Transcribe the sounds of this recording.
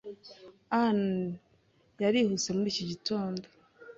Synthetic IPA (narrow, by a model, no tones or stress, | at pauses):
an | jaɾihut͡se̞muɾiːciɟitʰo̞ːndo